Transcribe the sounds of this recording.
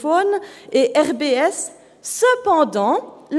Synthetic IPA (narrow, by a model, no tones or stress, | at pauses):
fɔneʔɛʁbeɛsː | əpɑ̃d̪ɑ̃l